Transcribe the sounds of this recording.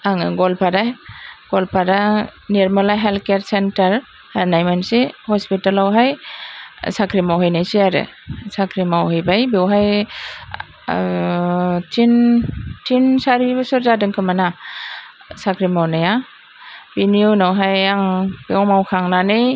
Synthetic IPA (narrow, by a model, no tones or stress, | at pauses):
aŋɡɔlpʰadaɡ̥ɔlpʰadaneɾmalajɦelkeaɾsentaɾ | aɾnajmansihɔspitalawɦaj | sakʰɾimawɦajnajsiaɾɯ̰ | sakʰɾimawhɯjbajbewɦaj | tʰintʰinsaɾibɯsɔɾzadɯŋkʰɯmana | sakʰɾimawnaja | biniunawɦajaŋbewmawkʰaŋnanɯj